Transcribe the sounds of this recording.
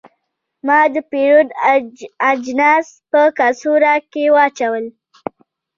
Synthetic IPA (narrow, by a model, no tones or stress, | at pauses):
mɑd̪əpeɾod̪ | ad͡ʒnɑspəkɑsuɾakewɑt͡ʃawəl